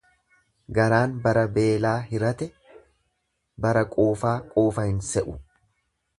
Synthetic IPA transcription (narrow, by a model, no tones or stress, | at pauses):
ɡɐɾaːnbɐɾɐbe̞ːlaːɦɪɾɐt̪ɛ | bɐɾɐkʼoːfaːkʼoːfɐhɪnsɛʔʊ